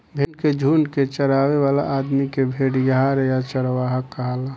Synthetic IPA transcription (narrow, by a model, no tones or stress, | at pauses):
bʱenked͡ʒʱuːnket͡ʃəɾaːweʋaːla̰ʔaːd̪mikebʱeːɽjaɾjat͡ʃəɽʋaːɦəkːəɦala